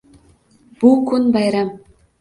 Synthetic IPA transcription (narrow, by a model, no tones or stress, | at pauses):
b̥ukunbɑjɾɑm